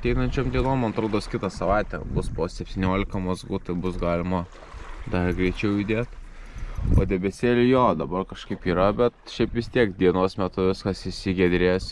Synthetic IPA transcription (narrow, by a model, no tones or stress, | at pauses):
ɐt̪ʲɛɪnɐnʲt͡ʃʲoːmd̪ʲiɛnoːmɐnɐt̪ɾoːd̪oːskʲɪt̪ɑsɐʋɑɪt̪ʲɛ̰bʊspoːsʲɛpʲt̪ʲiːnʲoːlʲɪkɐmɐzɡuːt̪ɐɪbʊsɡɑːlʲɪmɐ | d̪ɐɾɡɾʲɛɪt͡ʃʲɛʊɪd̪ʲeːt̪ | o̰ːd̪ʲɛbʲɛsʲeːlʲɪjoːd̪ɐbɐrkɐʃkɐɪpiːɾɐbʲɛt̪ʃʲɛɪpʋʲɪst̪ʲiɛkd̪ʲiɛnoːsmʲæt̪ʊʋʲɪskɐsɪʃsʲɪɡʲɛd̪ʲɾʲeːs